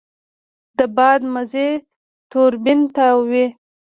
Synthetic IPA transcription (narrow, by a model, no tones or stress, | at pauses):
d̪̥əbɑd̪maze | t̪oɾbɪnt̪awi